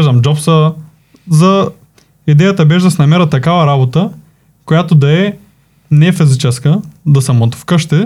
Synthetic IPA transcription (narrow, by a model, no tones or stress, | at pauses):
ʒd̪ɐmd͡ʒɔpsə | zɐ | id̪ɛjət̪əbɛʒd̪ɐsɛnɐmɛɾət̪ːɐkavɐɾabot̪ə | kojat̪od̪ɐɛ | nɛfizit͡ʃɛskəd̪ɐsɐmot̪fkɤʃt̪ɛ